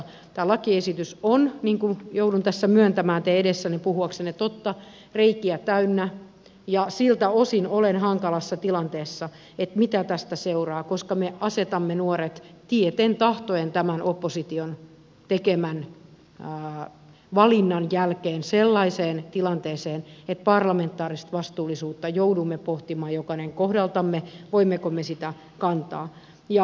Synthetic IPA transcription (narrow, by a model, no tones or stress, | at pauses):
t̪æːlɑkiesit̪ysonniːŋkujoudunt̪æsːæmyønt̪æmæːnt̪eedesːænepuhuɑksenːet̪ot̪ːɑ | reikiæt̪æynːæ | jɑsilt̪æosinolenhɑŋkɑlɑsːɑt̪ilɑnt̪eːsːɑ | et̪mit̪æt̪æst̪æseurɑːkoskɑmeʔɑset̪ɑmːenuoret̪t̪iet̪ent̪ɑht̪oent̪æmænʔopːosit̪ion | t̪ekemæn | ʋɑlinːɑnjælkeːnselːɑiseːnt̪ilɑnt̪eːseːnet̪̚pɑrlɑment̪ːˑɑːrist̪ʋɑst̪uːlːˑisuːt̪ːɑjoudumːepoht̪imɑːjokɑneŋkohdɑlt̪ɑmːeʋoimːekomːesit̪æ | kɑnt̪ɑː | jɑ